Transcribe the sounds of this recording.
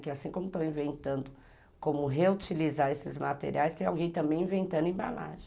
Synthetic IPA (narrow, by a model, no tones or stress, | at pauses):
kɪasĩkõmʊt̪ɐ̃w̃ĩvẽnt̪ɐ̃nd̪ʊ | kõmʊɦeut͡ʃilizaɾesɪzmat̪ḛɾiajst̪ẽj̃awɡẽj̃t̪ɐ̃bẽj̃ĩvẽnt̪ɐ̃d̪ʊẽba̰la̰ʒẽ